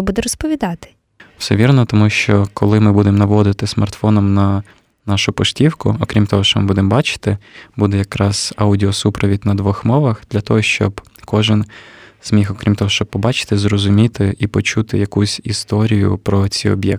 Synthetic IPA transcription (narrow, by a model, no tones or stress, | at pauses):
bud̪ɛɾɔspɔʋʲid̪ɑt̪ɪ̥ | w̥sɛ̰ʋʲirnɔt̪ɔmuʃt͡ʃɔkɔlˠɪmɪbud̪emnɐʋɔd̪ɪt̪ɪsmɐ̰rt̪fɔnɔmnɐ | nɑʃʊpɔʃtʲiwkʊ̰ɔkɾʲimt̪ɔɦɔʃt͡ʃɔmɪbud̪embɑt͡ʃɪ̥t̪ɪbud̪ɛjɐkɾɑz̥ɑwdʲiɔsupɾɔʋʲidʲnɐd̪ʋɔxmɔʋɐxd̪lʲɐt̪ɔɦɔʃt͡ʃɔ̰b | kɔʒɪnz̥mʲixɔkɾʲimt̪ɔɦɔʃt͡ʃɔb̚pːɔbɑt͡ʃɪ̥t̪ɪzrɔzʊmʲit̪ɪʔipɔt͡ʃut̪ɪ̰jɐkusʲist̪ɔɾʲijʊ̰pɾɔt͡sʲiɔ̰bjɛ̰k̚